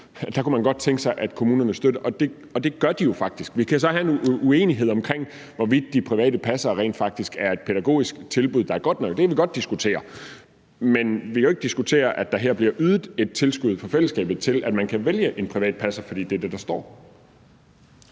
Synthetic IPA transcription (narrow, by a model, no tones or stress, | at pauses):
d̥ɑ̈kumænɡ̥ɒ̽d̥̚t͡sʰeŋɡ̥sɑ̈ɪʔæd̥kʰo̝muːnɐnəsd̥ødɐʔɒ̽d̥e̝ | ɒ̽d̥e̝ɡ̥ɶɐd̥ijo̝fɑ̈ɡ̥̚d̥isɡ̥ʋikʰæsɒ̽hæe̝nue̝̰ːniɦe̝ð̞̰ˠɒ̽mkʰʁeŋ̰ | ʋɒʋid̥̚ːipʰʁiʋɛ̰ːd̥əpʰæsɐːʁḛːnd̥fɑ̈ɡ̥̚d̥isɡ̥æɐe̝d̥̚pʰeɾ̥æɡ̥o̝̰ːisɡ̥t͡sʰe̝lb̥uðˠd̥ɑ̈æɐɡ̥ɒ̽d̥nɒ̽ɡ̥̚d̥eæʋiɡ̥ɒ̽d̥̚isɡ̥ut͡sʰe̝̰ːɐ | menʋikʰæoe̝ɡ̥d̥isɡ̥ut͡sʰe̝̰ːɐʔæd̥ɑ̈ɦeɐ̰b̥liɐʔyð̞ˠd̩ˠe̝d̥̚t͡sʰe̝lsɡ̥uð̞̩̰ˠfɒ̽fel̰əsɡ̥ɛ̰ːb̥ð̩ˠt͡sʰe̝læd̥mænkʰæʋeljəʔe̝npʰʁiʋɛ̰ːd̥̚pʰæsɐfɒd̥ḭːd̥eæd̥ed̥ɑ̈sd̥ɒ̰ː